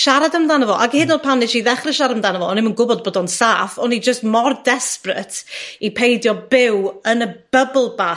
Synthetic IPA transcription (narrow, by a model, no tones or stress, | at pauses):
ʃaɾadəmdanəvɔʔaɡɪːdnoːd̚pʰanɪʃiðɛχrɪʃaɾəmdanəvɔɔnɪmənɡʊbɔd̚boːdɔnsaːfɔnid͡ʒəstmɔrdɛsprə̰tʰipʰejdjɔbɪwənəb̥əblˠba